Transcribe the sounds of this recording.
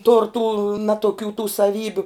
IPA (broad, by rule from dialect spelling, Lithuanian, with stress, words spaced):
tʊr tuː ˈnɑːtoːˌkʲuː tuː sɐˈʋʲiːbʲʊ